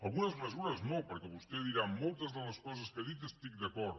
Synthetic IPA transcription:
alɣunɐzmesuɾɐznopoɾkeβust̪eðiɾamolt̪ɐzðelɐskɔs̬ɐskeðit̪est̪ikd̪ekɔɾð

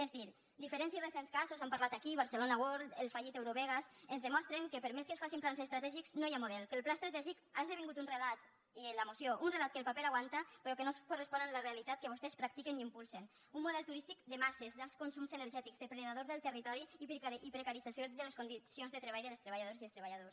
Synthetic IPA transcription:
ezdiɾ | d̪ifeɾɛnsirensɛnskazuzampaɾlat̪akiβ̞aɾselonawoɾt̪elˠfaʎit̪ewɾoβɛɣasenzðəmɔst̪ɾeŋkepeɾmeskesfasimplansest̪ɾat̪ɛʒikz̥nojamuðɛlˠkelˠplast̪ɾat̪ɛʒikazðeβiŋɡut̪unrelat̪ | lamusjoʔunrelat̪kelˠpapelaɣwant̪apeɾɔkenoskorespɔnənlarealit̪at̪̚kəβ̞ost̪espɾak̚t̪ikeniimpulˠsen | unmuðɛlˠt̪uɾist̪ikd̪emasezðalˠskunsumzeneɾʒɛt̪ikzðepɾenaðoɾðelˠt̪ərit̪ɔɾiːɾipɾekaɾid͡zasjoðeleskund̪isionzðət̪ɾeβajðelst̪ɾeβ̞aʎað̞oɾsiest̪ɾeβaʎaðos

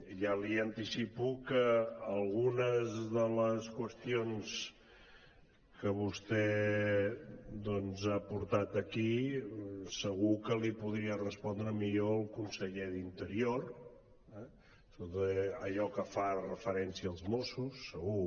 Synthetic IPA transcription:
ʒaliənt̪isipukəːlˠɣunəzðələskwəst̪ions | kəβust̪ɛ | d̪ɔnzapuɾt̪at̪əki | səɣ̞ukəlipuðɾiərəspɔnd̪ɾəmiʎoəlˠkunsəʎeðint̪əɾioɾ | ɛ | t̪ot̪əəʎɔkəfarəfəɾɛnsiəːlˠzmosusːəɣu

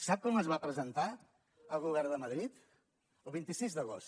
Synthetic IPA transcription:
sap̚kɔməzβapɾəzənt̪a | əlˠɣuβɛɾðəməð̞ɾit̪ | əlˠβint̪isizðəɣ̞os

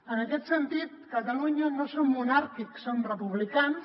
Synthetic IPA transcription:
ənəkɛt̪sənt̪it̪̚kət̪əluɲənosomːunaɾkiksːomrəpuβlikans

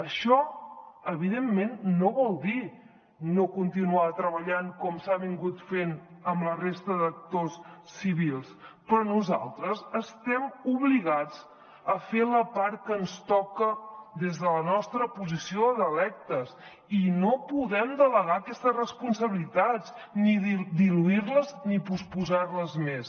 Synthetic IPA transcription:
əʃɔəβiðemːenːoβɔlˠd̪i | nokunt̪inuat̪ɾəβəʎaŋkɔmsaβiŋɡut̪fenəmlərest̪əðək̚t̪osːiβilˠspɾɔnuza̰lˠt̪ɾəzəst̪ɛmuβliɣad͡z | əfeləpaɾ̚kənst̪ɔkəd̪ezðələnɔst̪ɾəpuzisioðəlɛk̚t̪əs | inopuðɛmd̪ələɣaːkɛst̪əzrəspunsəβilit̪ad͡zniðd̪iluiɾləznipuspuzarləzmes

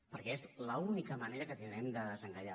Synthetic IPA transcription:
pəɾkɛezləunikəməneɾəkət̪ind̪ɾɛmd̪əðəzəŋkaʎa

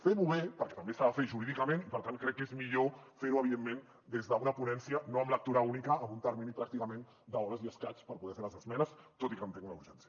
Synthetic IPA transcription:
feɾuβepəɾkɛt̪ɐmbest̪aβafeʒuɾiðikəmẽnipəɾt̪ankɾɛkːezmiʎofeɾuəβ̞iðemːẽn | d̪ezðəunəpunɛnsiənoəmlək̚t̪uɾaunikəːmbunt̪əɾminipɾak̚t̪ikəmẽn | d̪əɔβɾəziəskat͡spəɾpuðɛfeɾləzəzmɛnəst̪ot̪ikəmnt̪eŋunəṵɾʒɛnsjə

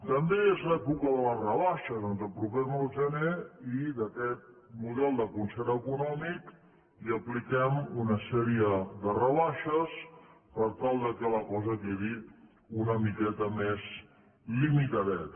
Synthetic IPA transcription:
t̪əmbeezlɛpukəðələrəβaʃəzonzəlˠpɾupɛməlˠʒəneiðəkɛt̪̚ | muðɛlˠd̪əkunsɛɾəkunɔmik | iəplikɛmunəsɛɾiəðərəβaʃəs | pəɾt̪alˠd̪əkɛləkɔzəkeɣi | unəmikɛt̪əmez | limit̪əðɛt̪

